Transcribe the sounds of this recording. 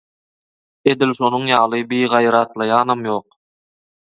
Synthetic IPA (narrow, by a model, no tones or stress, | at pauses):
ed̪ilʃonuɴjɑːlˠɯbijʁɑjɾɑːt̪lˠɑjɑːnɑmjoːq